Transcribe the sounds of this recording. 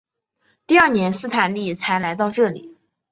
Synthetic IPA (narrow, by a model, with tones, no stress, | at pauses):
t̪i˥˧ɐ˞˥˩njɛ˧˥nsɹ̩˥˧t̪ʰa˨˩nli˥˩t͡sʰa˧˥ɪla˧˥ɪt̪ɑ˥˧ʊʈ͡ʂɤ˥˩lḭ˨˩˦